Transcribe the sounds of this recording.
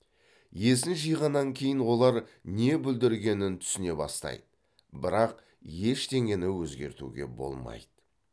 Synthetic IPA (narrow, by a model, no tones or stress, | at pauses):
je̞sɪnʒijʁɑnːɑŋkʲʰe̞jɪnwo̞lˠɑɾne̞bʏld̪ɪɾɡʲe̞nɪnt̪ʰʏ̥sɪne̞bɑ̰st̪ɑ̰jd̪̥ə | bɪɾɑq | je̞ʃt̪ʰe̞ŋʲe̞nɪwɵzɡʲe̞ɾt̪ṵɡʲe̞̰bo̞̰lˠmɑ̰jd̪̥ə